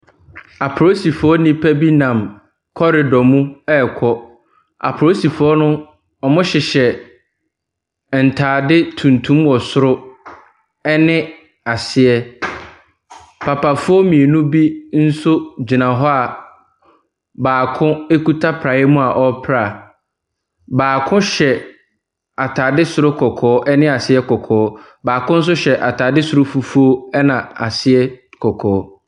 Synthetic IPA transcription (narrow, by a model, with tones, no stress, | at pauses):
a˨pʰɾo˦si˨fʊ˨˦ɔ˦nĩ˦pʰæ˦bi˦nã˨m | kʰɔ˦ɾɪ˨dɔ˨mũ˦ɛ˦˨kʰɔ˦ | a̰˨pʰɾo˦si˨fʊ˦ɔ˦nʊ̃˦ | ɔ˨mʊ̃˦ɕɪ˨ɕɛ˨ | n̩˨tʰaː˨dɪ˦tʰũ˨ntʰũ˦mwɔ˨sʊ˦ɾʊ˦ | ɛ˦nɪ̃˦ | a˨sɪ˨ɛ˦ | pʰa˨pʰa˨fʊ˦ɔ˦mĩ˨e˨nũ˦bi˦n̩˦sʊ˦d͡ʑi˨nã˨ɦɔ˦a˨ | baː˨kʰʊ̃˦e˦ku˦tʰa˦pʰɾa˨˦ɛ˦mũ˦a˨ʔɔ˦pʰɾa˦˨ | baː˨kʰʊ̃˦ɕɛ˨ | a˨tʰa˨dɪ˦sʊ˨ɾʊ˦kʰɔ˨kʰɔː˨˦ʔɛ˦nɪ̃˦a˨sɪ˦ɛ˦kʰɔ˨kʰɔː˨˦ | baː˨kʊ̃˦n̩˦s̬ʊ˦ɕɛ˨ʔa˨tʰaː˨dɪ˦sʊ˨ɾʊ˦fu˨fu˦o˦ɛ˦nã˨a˨sɪ˦ɛ˦kʰɔ˨kʰɔː˨˦